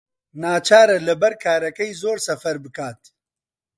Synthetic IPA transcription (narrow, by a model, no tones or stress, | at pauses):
naːt͡ʃʰaːɾɐlɨbɛɾkʰaːɾɐkɛjzoːɾsɐfɐɾbɨkaːt̪̚